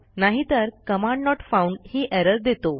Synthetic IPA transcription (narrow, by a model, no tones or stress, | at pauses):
naɦit̪əɾkəmãɳɖnɔʈfauɳɖhiːʔɛɾəɾd̪et̪o